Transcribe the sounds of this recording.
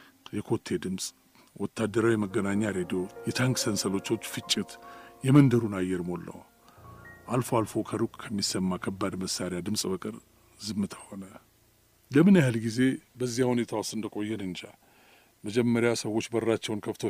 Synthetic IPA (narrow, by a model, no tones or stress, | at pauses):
jɛkʰo̞t̪ʰːe̞d̪ɨmsʼ | wɔt̪ʰːad̪əɾawijməɡːənaɲːaɾed̪ijo̞jɛt̪ʰaŋkʼsənsəlo̞t͡ʃːo̞t͡ʃːfɨt͡ʃʼːɪt̪jɛmənd̪əɾunajːɛɾmo̞lːə̰w | ʔalfoalfo̞kʰəɾukʼkʰəmːisəmːakʰəbːad̪məsːaɾjad̪ɨmsʼbəkʼɨɾ | zɨmːɨt̪ʰḁhonə | ləmɨnahɨlɡize̞bəzːihahune̞t̪ʰawost̪ɨnd̪əkʼo̞jːɛnɨnd͡ʒa | məd͡ʒɛmːəɾjasəwːo̞t͡ʃːbərːat͡ʃːɛwnkʰəft̪ʰo